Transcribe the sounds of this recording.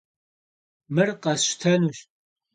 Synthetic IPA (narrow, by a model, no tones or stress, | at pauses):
mɨrqɐsʃʷt̪ʰɐnuʃ